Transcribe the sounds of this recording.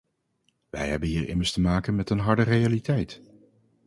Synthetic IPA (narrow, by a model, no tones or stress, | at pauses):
ʋɛ̰jɦɛ̰bənɦiːɹɪ̰məɹstəmaːkənmɛtənɦɑɹdərejalitɛjt